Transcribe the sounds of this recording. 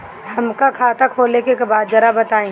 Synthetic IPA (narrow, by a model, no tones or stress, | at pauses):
hɐmkakʰaːt̪akʰoːlekekebaːd̪̚d͡ʒɐɾabɐt̪aːĩː